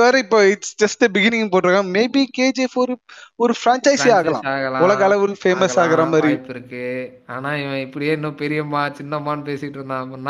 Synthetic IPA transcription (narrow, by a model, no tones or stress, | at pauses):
ʋaːɾɐɪpːoːɪsd͡ʒɐsʈɯbɪɣɪnɪ̃ŋɡpoːʈːɾɯkãːmeːbikeːd͡ʒeːfoɾɔɾɯfɾãːnt͡ʃɐɪsaːɣɐlã̰ːaːɣɐlãːʋɔlɐɣɐːlɐʋɔɾfeːmɐsaːɣɐɾɐmaːdɾipːɪɾɯkːɯ | aːnaːɪʋɐ̃ɪpːɐɽɪjeːɪnːɐ̃pɛɾɪjɐmaːt͡ʃɪnːɐmaːnpeːsɪkɪʈːɯnd̪ãːɐpːɐnːã